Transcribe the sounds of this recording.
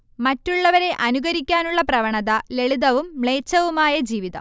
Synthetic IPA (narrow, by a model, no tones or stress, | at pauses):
mɐtːuɭːɐʋɐɾe̞ʔɐnuɡɐɾikʲːaːnuɭːɐprɐʋɐɳɐðɐle̞ɭuðɐʋumːɭe̞ːt͡ɕːɐʋumaːjɐd͡ʑiːʋiðɐ̰m